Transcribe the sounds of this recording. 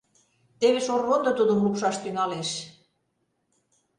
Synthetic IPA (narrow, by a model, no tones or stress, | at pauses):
t̪eβeʃorːond̪ɤ̆t̪ud̪ə̆mlupʃɑʃt̪yŋɑleʃ